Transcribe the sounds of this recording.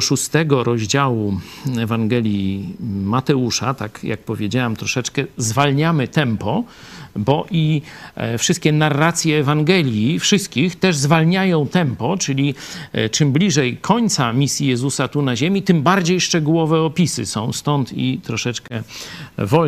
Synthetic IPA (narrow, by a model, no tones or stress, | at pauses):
ʂust̪ɛɡɔɾʔɔʑd͡ʑawuɛvaŋɡɛlʲjimat̪ɛuʂat̪akja̰k̚pɔvʲjed͡ʑawamt̪ɾɔʂɛt͡ʂkɛzvalɲamɘt̪ɛmpɔ | bɔʔi | fʂɨst̪̚kʲɛnarːat̪sʲjɛːvaŋɡɛlʲjifʂɘst̪̚kʲixt̪ɛʐzvalɲajɔ̃w̃t̪ɛmpɔt͡ʂɘlʲit͡ʂɘmblʲiʐɛjkʰɔɲt̪samʲisʲjijɛzusat̪unaʑemʲit̪ɘmbaɾd͡ʑejʂt͡ʂɛɡuwɔvɛɔpʲisɘ̰sɔ̃w̃st̪ɔnt̪ḭt̪ɾɔʂɛt͡ʂkɛvɔ